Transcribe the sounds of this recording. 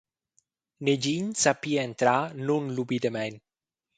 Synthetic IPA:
ned͡ʒiɲsapiaent̪ɾanunlubid̪emɛn

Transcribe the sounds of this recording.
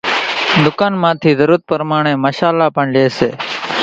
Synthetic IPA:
d̪ʊkaːnmãːt̪ʰiːzəɾuːt̪̚pəɾmaːɳ̃ẽːməʃaːlːaːpəɳleːsḛː

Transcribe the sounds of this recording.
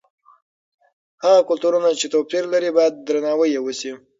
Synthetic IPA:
haɣakʊlt̪uɾunat͡ʃet̪opiɾlaɾibɑjad̪̚ːɾanɑwəjewəsi

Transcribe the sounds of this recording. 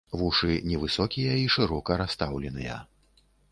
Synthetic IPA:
vuʂɨnʲɛvɨsɔkʲijɐiʂɨɾɔkɐɾast̪awlʲɛnɨjɐ̰

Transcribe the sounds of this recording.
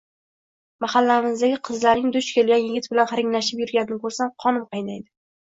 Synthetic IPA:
mahalːaɪmɪzd̪aɡʲɪqʰɨzlaɾnɪŋd̪ʊt͡ʃkʲʰe̞lɡʲanjɪɡʲɪt̪̚bɪlanχaɾɪŋlaʃɪpjʊɾɡʲanɪnɪkʰɵɾsamqʰɒnɪmqʰɑjnajd̪ɪ

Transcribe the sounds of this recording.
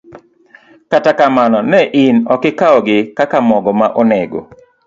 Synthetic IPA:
katakamanɔnɛʔɪnɔkɪkaɔɡɪkakamɔɡɔmaʔɔnɛɡo̰

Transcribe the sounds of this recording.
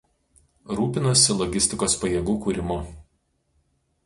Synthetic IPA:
ɾuːpʲɪnosʲɪlˠɔɡʲɪsʲt̪ʲɪkoːspɐjɛɡuːkuːɾʲɪmʊ

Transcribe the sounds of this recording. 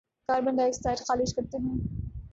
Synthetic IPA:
kaːɾbɐ̃nd̪aekssaːɪʈxaːlɪʃkɐɾt̪eɦɛ̃ː

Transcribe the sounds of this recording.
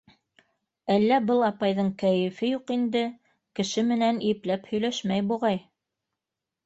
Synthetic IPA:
ælːæbɤlˠɑpɑjðɤɴkæjɘ̆fɘjuqind̪ɘ | kɘ̆ʃɘmɘ̆næniɘplæphɵ̆jlæʃmæjbuʁɑj

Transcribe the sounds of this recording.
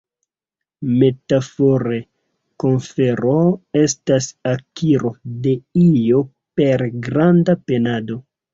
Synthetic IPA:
me̞tafoɾe | ko̞nfe̞ɾo̞e̞stasakiɾo̞de̞ijo̞ | pe̞ɾɡɾandape̞nado̞

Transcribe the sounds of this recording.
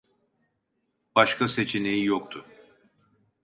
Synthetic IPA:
b̥aʃkʰase̞t͡ʃʰinejijokt̪ʰʊ

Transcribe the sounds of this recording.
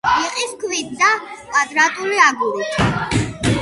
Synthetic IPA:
iqʼiskʰvid̪d̪apʼad̪ʼɾat̪ʼuliaɡuɾit

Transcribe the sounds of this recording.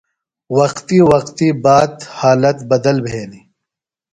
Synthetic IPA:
wɐqt̪iwɐqt̪ibaːd̪haːlɐt̪bɐd̪ɐlbʱeːni

